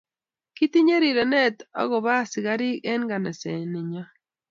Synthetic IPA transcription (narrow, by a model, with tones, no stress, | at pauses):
ki˦t̪i˦ɲe˦ɾi˨ɾɛ˨nɛ˦t̪ɔ̰˦ɣɔ˨βa˦sɪ˨ɡa˦ɾi˦ɛ˦nɡa˨nɛ˨sɛ˨nɪ˨ɲɔ˦